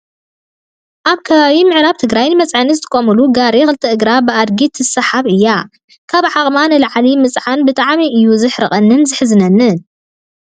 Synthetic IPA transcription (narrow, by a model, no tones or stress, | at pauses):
ʔaβkʰɐβaβimɨʕɾaβt̪ʰɨɡɾajnmɐt͡sʼʕanizɨt̪ʰɨ̥kʼomɨluɡaɾixɨlt̪ʰiʔɨɡɾabɨʔad̪ɡit̪ʰɨsɐħaβʔɨjːa | kʰaβʕaχʼmanɨlʕlimɨt͡sʼʕanbɨt̪ʼaʕmiʔɨjːuzɨħɾɨχʼɐnːɨnzɨħzɨnɐnːɨn